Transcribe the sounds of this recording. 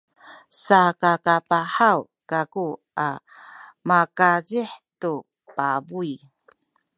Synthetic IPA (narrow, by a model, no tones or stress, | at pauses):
sakakapaħaw | kaku | a̰ | makaziħtu | pabuj